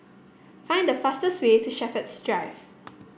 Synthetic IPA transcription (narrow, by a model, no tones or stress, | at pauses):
fãɪ̃ndəfastəswetʰuʃɛfətstɹaɪf